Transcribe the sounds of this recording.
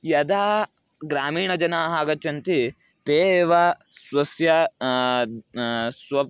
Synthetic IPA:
jɐd̪aː | ɡɾaːmiːɳɐd͡ʒɐnaːɦaːɡɐt͡ʃːɐnt̪i | t̪eːʋɐ | sʋɐsjɐ | sʋɐ

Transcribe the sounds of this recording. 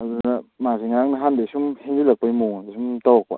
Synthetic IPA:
adunɐmaziŋaŋnɐɦandajsumhenzilak̚pajmuŋdesumtawak̚pa̰

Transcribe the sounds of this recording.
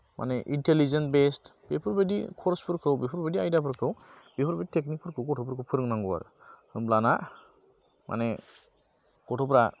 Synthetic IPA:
mʔa̰neʔintelizenbestb̥epʰɔɾbedḭkʰɔɾspʰɯɾkʰɯwbepʰɔɾbediajdapʰɯɾkʰɯw | b̥epʰɔɾbeditʰeknik̚pʰɯɾkʰɯwkɔtʰɔpʰɯɾkʰɯwpʰɯɾɯŋnaŋɡɔwa̰ɾ | hɯmblana | mʔa̰ne | kɔtʰɔpɾa

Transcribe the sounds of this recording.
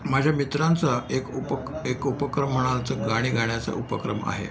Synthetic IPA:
mad͡ʑʱjamit̪ɾant͡saekuekupəkɾəm̤ːəɽ̃alt͡səɡaɽ̃iːɡʱaɽjat͡sa̰ʔupəkɾəma̰ɦḛ

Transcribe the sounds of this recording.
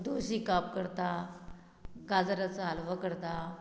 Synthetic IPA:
d̪oɕikap̚kəɾt̪a | ɡad͡zɾat͡saalʋakəɾt̪a

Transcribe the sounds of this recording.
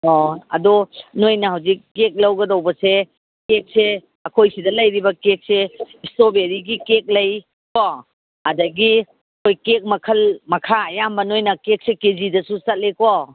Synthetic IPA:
ɔɐ̰dɔnojnɐhɐwzikːek̚lɐwɡɐdɐwbɐse | kek̚se | ɐkʰojsidɐlɐjɾibɐkek̚seistobeɾiɡikek̚lɐj | kɔ | ɐdɐɡi | ɐkʰojkek̚mɐkʰɐlmɐkʰaɐjambɐnojnɐkek̚sekezidɐsusɐt̚lekɔ

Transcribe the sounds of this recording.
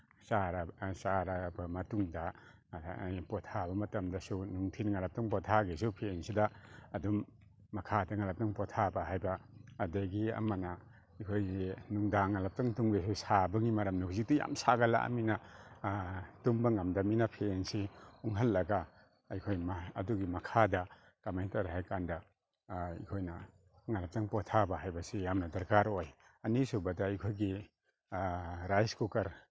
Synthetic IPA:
saɾasaɾabamɐtuŋda | pɔtʰabɐmɐtɐmdasunuŋtʰinŋalap̚taŋpɔtʰaɡes̬upʰensidaːdumː | akʰadaŋalap̚taŋpɔtʰabaɦajbaːdaɡia̰mana | jkʰojnuŋdaŋalap̚taŋtuŋbesusabɐŋimaɾamnahuzik̚tija̰msaɡala̰ʔa̰mina | tuŋbaŋamdaminapʰensiuŋɦalːɐɡaː | jkʰojmaɐduɡimakʰada | kamajntaɾɦajkanda | ḭkʰojna | ŋalap̚taŋpɔtʰabaɦajbasijamnadɐɾkaɾoj | ɐnisubadaajkʰojɡi | ɾajskukaɾ

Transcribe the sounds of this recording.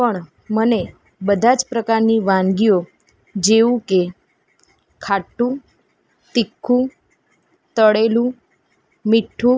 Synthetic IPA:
pəɳ | məne | bəd̪ʱad͡ʒpɾəkaɾniʋãŋɡio | d͡ʒeũke | kʰaʈːũ | t̪ikʰːũ | t̪əɽelũ | miʈʰːũ

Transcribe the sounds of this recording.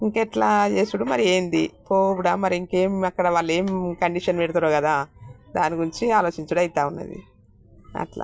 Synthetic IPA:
iŋkɛʈlaːd͡ʒe̞ːsuɽumɐɾie̞ːnd̪ipoːbuɽaːmɐɾiiŋke̞ːmɐkːɐɽɐʋaːɭːe̞ːmkɐɳɖiːʃɐnʋɛɽut̪uɾoːkɐd̪aːd̪aːniɡuɾiɲt͡ʃiaːlo̞ːt͡ʃiɲt͡ʃuɽɐjt̪aːunːɐ̰d̪ḭ | ɐ̰ʈla̰ː

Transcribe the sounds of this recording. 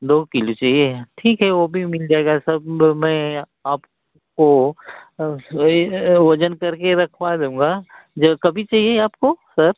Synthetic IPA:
d̪oːkɪlot͡ʃaːɦieʈʰiːkɦɛʋoːbʱimɪld͡ʒaːeːɡasɐbmɛ̃ | aːp | ko | ʋɐd͡ʒənkɐɾkeɾɐkʰpad̪ũːŋɡa | d͡ʒɐkɐbʱit͡ʃaːɦieaːpkosɐɾ

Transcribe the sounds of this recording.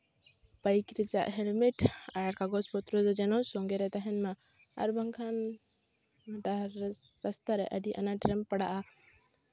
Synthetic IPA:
bajkɾɛd͡ʒa̰ʔɦɛlmɛʈajaɽkaɡɔspɔt̪ɾɔd̪ɔd͡ʒɛnɔsɔŋɡɛɾɛt̪aɦɛnma | a̰ɾbʱaŋkʰan | ɖaɾəst̪aɾɛʔəɖiʔa̰naʈɾɛmpaɽaʔa

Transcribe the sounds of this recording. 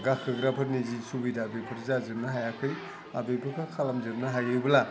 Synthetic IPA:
ɡakʰɯɡɾapʰɯɾnizisubijdaːbepʰɯɾzazɯmnaɦajakʰɯj | abepʰɯkʰɯkʰalamzɯmnɐɦajɯbɐla

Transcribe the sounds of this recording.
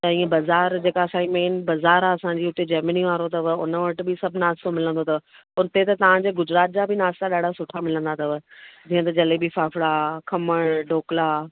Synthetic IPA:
t̪ɛ̃bɐzaːɾd͡ʑeːkasaːimeːnbɐzaːɾaɐsãɲd͡ʑiʊt̪ed͡ʑɐːɾməniʋaːɾot̪ɐʋʊnəʋɐʈ̆bɪsɐbʱnaːst̪omɪlə̃nd̪ot̪ɐ | ʊnt̪et̪ɐt̪ɐʋ̤ãɲd͡ʑeːɡʊd͡ʑɾaːt̪̚d͡ʑabɪnaːst̪aɗaːɖʱasʊʈʰamɪlə̃nd̪at̪ɐʋd͡ʑiːə̃t̪ɐd͡ʑɐlebʱifaːfɪɽakʰɐməɽ̃ɖoːklaː

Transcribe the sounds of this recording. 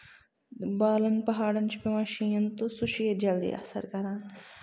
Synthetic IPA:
baːlɐnpɐɦaːɽɐnt͡ʃʰu̥pemɐʃiːɐnt̪usuʃijed͡ʒɐld̪ḭːʔɐ̰sɐ̰ɾkɐɾãːn

